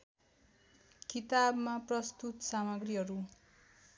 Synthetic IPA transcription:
kit̪abmaprʌst̪ut̪samʌɡriɦʌɾu

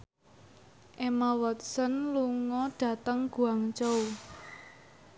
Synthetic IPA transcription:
ʔemawɔt̪̚sənluŋɔɖ̥ä̤t̪əŋɡ̥ṳaŋt͡ʃou

